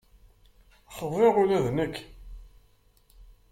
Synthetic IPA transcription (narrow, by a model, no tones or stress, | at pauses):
χəðˤeʁʊlæðnəkː